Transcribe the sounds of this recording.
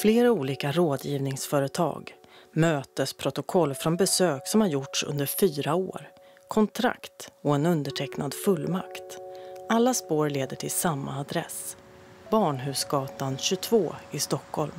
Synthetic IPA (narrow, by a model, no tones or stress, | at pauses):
fleːɾauːliːkaɾoːd̪jiːvnɪŋsfœːɾət̪ʰɑ̰ːɡmøːt̪əspʰɾʊt̪ʊkʰɔlːfɾɔnbɛsøːksɔmhaɾjʊʈʂɵ̰nd̪əɾfyːɾao̰ːɾ | kʰɔnt̪ʰɾa̰kt̪ɔɛnɵnd̪əʈʰɛknad̪fɵlːma̰kt̪alːaspoːɾleːd̪əʈʰɪlsamːa̰ːd̪ɾɛ̰s | bɑːɳɦʉ̟ːsɡɑːt̪anɕɵt̪ʰvoːɪst̪ɔkʰhɔlm